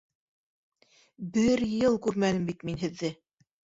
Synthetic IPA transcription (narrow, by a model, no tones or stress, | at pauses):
bɘɾjɤlˠkʉɾmænɘmbit̪minɦɘ̆ðːɘ